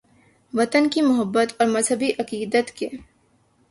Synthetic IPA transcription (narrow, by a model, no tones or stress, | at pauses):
ʋɐt̪ənkimʊɦəbːət̪ɔːɾmɐzɦəbiʔɐqiːd̪ət̪ke